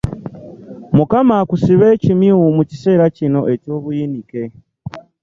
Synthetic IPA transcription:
mukamakusiβe̞ːcimiwomuci̥se̞ːɾacino̞ʔe̞co̞ːβujinike̞

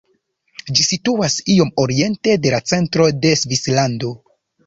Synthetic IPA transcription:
d͡ʒisituasio̞mo̞ɾie̞nte̞de̞lat͡se̞ntɾo̞de̞svislando̞

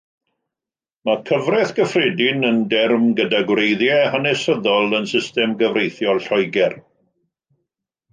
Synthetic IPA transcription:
makʰəvrɛθɡ̥əfrɛdɪnəndɛrmɡədaɡwrejðjɛhanɛsəðɔlˠənsɪstɛmɡəvrejθjɔlˠɬɔjɡɛr

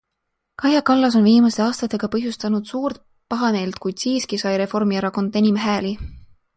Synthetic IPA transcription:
kɑhjɑkɑlːɑs̬o̞nviːmɑst̪e̞ɑːst̪ɑt̪ːˑe̞ɡ̥ɑpɤɦjust̪ɑnud̪̥suːɾt̪ | pɑɦɑne̞ːlt̪̚kujd̪̥siːskisɑjɾe̞fo̞rmieɾɑko̞nd̪enʲimɦæːli

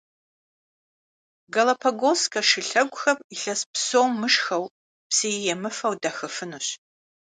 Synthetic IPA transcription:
ɡɐlɐpʰɐɡoskʰʼɐʂɨɬɐɡʷʼʊxɐpiɬɐspsoːmːɨʂxɐw | psejjɛmɨfɐwdɐxɨfɨnuɕ

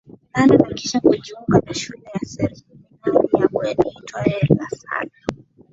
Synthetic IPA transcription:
nananakiʃakuʄuŋɡanaʃulɛjasɛɾiinanijakwɛɗakutʰɔɛɾasa̰na

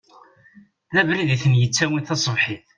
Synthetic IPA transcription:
ðævɾiðiθənjət͡sːæwiθɑsˤəvħiθ

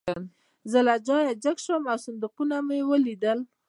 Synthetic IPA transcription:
zəlad͡ʒɑjad͡ʒəkʃwəmawsʊnd̪uqunamjewəlid̪əl

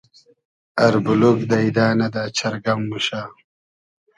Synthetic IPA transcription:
ɐɾbulukd̪ɐid̪aːnɐd̪aːt͡ɕʰɐɾɡɐmːuɕaː

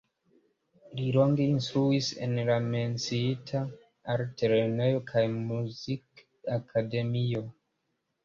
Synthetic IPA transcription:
lilo̞ŋɡe̞instɾuise̞̰nlame̞nt͡siitʰa | aɾtʰeɾenejokʰajmuzik | akʰade̞mio̞

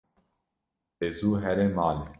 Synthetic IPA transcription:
ezuːɦɛɾemaːle

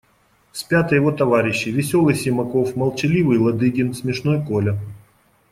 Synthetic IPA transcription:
sʲpʲat̪əjɪvot̪ɐvaɾʲɪɕːɪjvʲɪsʲo̞lˠɨjsʲɪmɐko̞fmɐlˠt͡ɕɪlʲivɨjlˠɐd̪ɨɡʲɪnsʲmʲɪʂno̞jkolʲə

